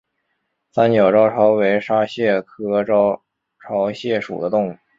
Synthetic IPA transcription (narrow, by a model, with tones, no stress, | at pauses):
sa˥nt͡ɕjɑ˨˩ʊʈ͡ʂɑ˥ʊʈ͡ʂʰɑ˧˥ʊwe˧˥ɪʂa˥ɕjɛ˥˩kʰɤ˥ʈ͡ʂɑ˥ʊ | ʈ͡ʂʰɑ˧˥ʊɕjɛ˥˩ʂṵ˨˩d̪ə˦t̪ʊ˥˧ŋu˥˩